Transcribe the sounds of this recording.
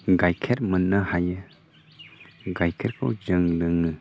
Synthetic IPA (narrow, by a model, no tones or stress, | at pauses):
ɡajkʰeɾmənːəhajɯ | ɡajkʰeɾkʰɯwd͡ʒɯŋlɯŋɯ